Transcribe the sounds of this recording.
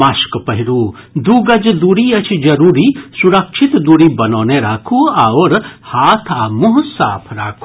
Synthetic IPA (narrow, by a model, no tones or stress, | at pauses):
ɐʃkpɐɦiɾu | d̪uːɡɐd͡ʒd̪uːɽiːɐt͡ʃʰid͡ʒɐɾuːɾiːsuɾɐkʃʰit̪d̪uːɽibɐnoːneɾaːkʰuaːʋɐɾhaːt̪ʰaːmuɦsa̰ːpʰɾaːkʰu